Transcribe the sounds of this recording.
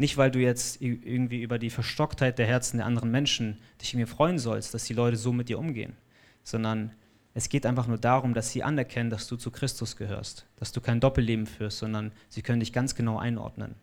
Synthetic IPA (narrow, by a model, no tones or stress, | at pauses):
nɪçtv̥aɪlduːjɛt͡stʔɪɐɡŋ̩tv̥iːʔyːbɐdiːfɛɐʃtɔkthaɪt̚d̥eːɐɦɛɐt͡sn̩deːɐʔandəʁənmɛnʃn̩d̥ɪçɪniːɐfʁ̥ɔʏənzɔlst̚d̥asd̥iːlɔʏtəzoːmɪt̚d̥iːɐʔʊmɡḛːə̰n | z̥ɔndɐn | ʔɛsɡ̥eːtʔaɪnfaχnuːɐdaːʁʊmdasz̥iːʔa̰nɛɐkʰɛnəndasd̥uːt͡sukʁ̥ɪstʊsɡ̥əhø̰ːɐstd̥asd̥uːkʰaɪndɔpl̩leːbm̩fyːɐstz̥ɔndɐnz̥iːkʰœnəndɪçɡ̥ant͡sɡ̥ənaʊʔa̰ɪnʔɔ̰ɐdnə̰n